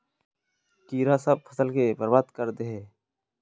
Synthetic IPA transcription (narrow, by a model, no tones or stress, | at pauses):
kiːɾaːsəb̚pʰəsəlkebəɾbaːd̪kəɾd̪eɦeː